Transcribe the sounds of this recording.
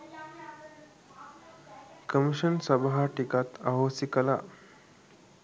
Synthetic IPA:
kəmiʃənsɐbaɦaʈikat̪ʰaɦoːsikɐla̰

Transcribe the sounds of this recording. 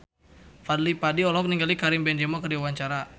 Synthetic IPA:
fad̪lipadiɔlɔk̚niŋɡalikaɾimbɛnd͡ʒɛmɔkərdiwawaɲt͡ʃaɾa

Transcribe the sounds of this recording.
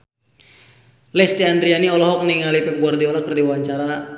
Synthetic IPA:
lɛst̪iandɾianiɔlɔɦɔk̚niŋalipɛp̚ɡuardiɔlakərdiwaɲt͡ʃaɾa

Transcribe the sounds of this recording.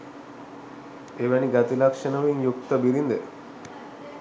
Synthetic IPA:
eʋæniɡat̪ilakʂənəʋiŋjukt̪əbiɾind̪e

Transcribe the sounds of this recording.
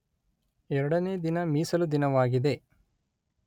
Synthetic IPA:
ɛɾɐɽɐneːd̪inɐmiːsɐlud̪inɐʋaːɡid̪e̞

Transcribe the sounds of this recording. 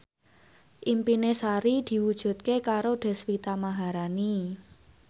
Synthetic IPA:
ʔimpinesaɾid̪̥i̤wud̥ʒ̥ṳt̪̚kekaɾoɖ̪̥ɛ̤swit̪amaɦaɾani

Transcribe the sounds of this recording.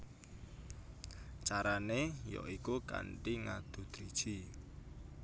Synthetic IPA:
t͡ʃaɾanejɔ̰ʔikuka̰ɳʈiŋad̪̥ṳd̪̥ɾid̥ʒ̥i

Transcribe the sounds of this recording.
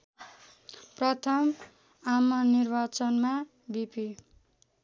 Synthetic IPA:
prʌt̪ʰʌm | amʌnirbat͡sʌnma | bipi

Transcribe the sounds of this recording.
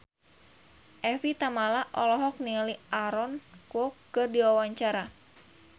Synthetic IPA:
ʔɛfit̪amalaʔɔlɔɦɔk̚nialiʔaɾɔnkɔkkɨrdiwawaɲt͡ʃaɾa

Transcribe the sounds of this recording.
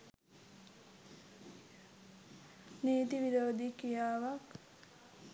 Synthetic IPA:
niːt̪iʋiɾoːd̪ikijaːʋak

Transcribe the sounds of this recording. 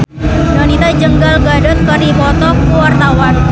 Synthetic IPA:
janit̪ad͡ʒəŋɡalɡadɔt̪̚kəɾipɔt̪ɔkəwart̪awan

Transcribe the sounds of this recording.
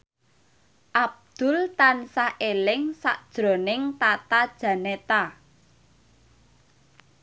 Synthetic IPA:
ʔab̚d̪̥ʊ̤lt̪ansaʔelɪŋsa̰ʔd̥ʒ̥ɾo̤nɪŋt̪at̪ad̥ʒ̥ä̤net̪a

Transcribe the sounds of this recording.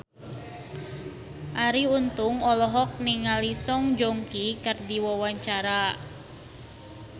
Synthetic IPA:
ʔaɾiunt̪ʊŋɔlɔɦɔk̚niŋalisɔŋd͡ʒoŋkikərdiwɔwaɲt͡ʃaɾa

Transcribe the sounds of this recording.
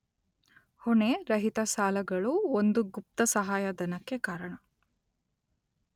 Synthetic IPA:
hoɳeɾɐɦit̪ɐsaːlɐɡɐɭuond̪uɡup̚t̪ɐsɐɦaːjɐd̪ɐnɐkːekaːɾɐɳɐ

